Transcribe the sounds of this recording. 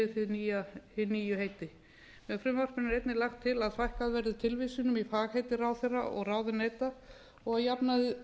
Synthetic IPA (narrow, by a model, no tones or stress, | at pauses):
ɪθɪðniːjaɪniːjʏɦeːjt̪ɪ | mɛðfɾʏmawr̥pʏnɪɾejt̪nɪlaxt̪ʰːɪlaðθvajhkaðvɛɾðɪt̪ʰɪlvisɪnʏmifaːɣhejt̪ɪraːwθejrːa̰ʔɔ̰ɣraːwðʏnɛːt̪a | ɔɣaðjapnaðɪ